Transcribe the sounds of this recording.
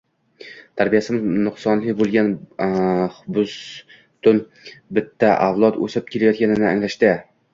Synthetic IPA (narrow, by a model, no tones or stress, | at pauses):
t̪ʰaɾbijasɪmɪznʊχsɒnlɪbolˠɡʲan | χbʊs | t̪ʊn | bɪt̪ːaʔavlˠɒt̪ɵ̰sɪp̚kʲʰelajɒt̪kʲanɪnɪaŋlaʃt̪ɪ